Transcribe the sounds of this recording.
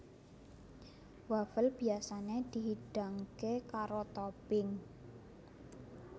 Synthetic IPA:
wafəlb̥iasaned̪̥i̤ɦiɖ̥a̤ŋkekaɾot̪ɔpɪŋ

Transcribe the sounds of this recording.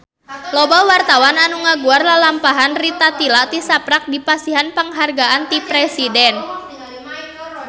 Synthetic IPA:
lobawart̪awananuŋaɡuarlalampaɦanrit̪at̪ilat̪isapɾak̚dipasiɦanpəŋɦarɡaʔant̪ipɾɛsidɛn

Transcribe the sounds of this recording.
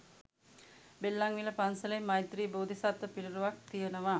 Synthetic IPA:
belːaŋʋiləpansələmːɐjt̪ɾiːboːd̪ʱisat̪ʋəpiliɾuʋak̚t̪ijənəʋa

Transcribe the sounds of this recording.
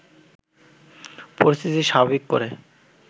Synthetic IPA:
poɾist̪ʰit̪iʃabbikːo̰ɾe

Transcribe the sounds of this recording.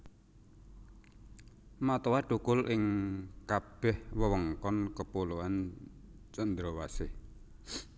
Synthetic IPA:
mat̪ɔwaɖ̥ukʊlʔɪŋkab̥ɛhwəwəŋkɔnkəpoloan | t͡ʃənd̪ɾɔwasɪh

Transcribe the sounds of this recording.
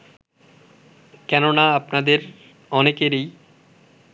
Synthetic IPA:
kɛnonaapnad̪eɾ | ɔnekeɾej

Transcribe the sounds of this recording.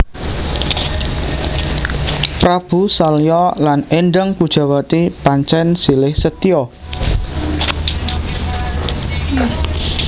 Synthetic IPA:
pɾab̥ṳsalijɔlanenɖəŋkud̥ʒ̥a̤wat̪ipaɲt͡ʃɛnsilɪhsət̪iɔ

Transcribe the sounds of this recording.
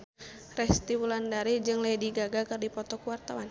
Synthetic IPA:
rɛst̪iwulandaɾid͡ʒɨŋlɛdiɡaɡakɨrdipɔt̪ɔkuwart̪awan

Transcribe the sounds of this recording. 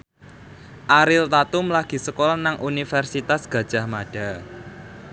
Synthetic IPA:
ʔaɾɪlt̪at̪ʊmlaɡ̥i̤səkolɔnaŋʔunifɛrsit̪asɡ̥ä̤d̥ʒ̥a̤hmaɖ̥a

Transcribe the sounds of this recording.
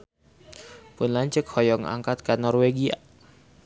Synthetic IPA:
pʊnlaɲt͡ʃəkhɔjɔŋa̰ŋkat̪̚kanɔrweɡia̰

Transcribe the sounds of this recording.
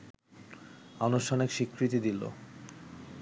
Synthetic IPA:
anuʃtʰɔnekʃikɾit̪id̪ilo̰

